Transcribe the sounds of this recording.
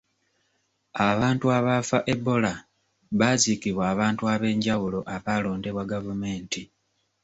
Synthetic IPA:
aβaːntuaβafaʔe̞bo̞la | βazikiβwaːβaːntuaβe̞ːɲɟawulo̞ʔaβaːlo̞ːnde̞βwaɡavume̞ːnti

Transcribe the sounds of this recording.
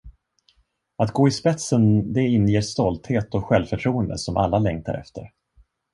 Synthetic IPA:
at̪ɡoːɪspɛt̪sənd̪ɛɪnːjeːst̪ɔlt̪heːt̪ɔɧɛlvfœʈʰɾuːənd̪ə̰sɔmʔa̰lːalɛŋt̪ʰa̰ɾɛ̰ft̪ə̰ɾ

